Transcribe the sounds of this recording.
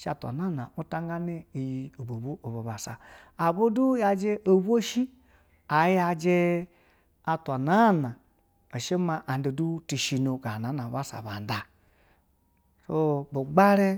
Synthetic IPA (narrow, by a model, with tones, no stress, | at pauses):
ʃa˨tʷa̰˨na˦˨na˨u˦ta˦ŋɡa˦ne˦i˨ji˨o˨bo˨bu˦ʔo˨bo˨ba˨sa˨ | a˨bo˦du˦ja˧d͡ʒe˦ʔo˨bu˦o˦ʃi˦ | a˨ja˧d͡ʒe˧ | a˧tʷa˨na˦˨na˨ | o˨ʃe˦ma˧ʔa˨˦de˨du˦ti˧ʃi˧no˨ɡa˨na˨˦na˨ba˦sa̰˨ba˨n˨da˨ | so˦bo˨ɡ͡ba˦ɾe˦